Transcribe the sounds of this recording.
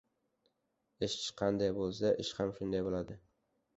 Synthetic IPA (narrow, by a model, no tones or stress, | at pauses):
ɪʃt͡ʃqʰɑnd̪ajbolˠs̬aʔɪʃhamʃʊnd̪ajbolˠad̪ɪ